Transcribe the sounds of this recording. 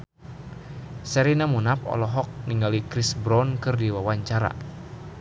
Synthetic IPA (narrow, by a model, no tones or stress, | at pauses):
sɛɾinamunapɔ̰lɔɦɔk̚niŋɡalikɾisbɾɔnkɨrdiwawaɲt͡ʃaɾa̰